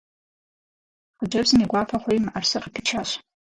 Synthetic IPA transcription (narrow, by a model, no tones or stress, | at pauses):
qd͡ʒʷabzniɡʷapʰaχʷajmarsɨqpʰit͡ʃʰaʃʷ